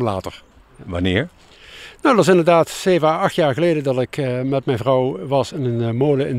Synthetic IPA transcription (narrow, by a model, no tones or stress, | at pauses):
mlaːtəɹ | ʋɑnɪ̰ːɹ | nowətʋɑs̬ɪndəɹdaːtsejvəɑxtjaːɹɣəlejdədɑtɪkmɛt̚mɛjnvrɑwʋɑsɪnənmoːləɪn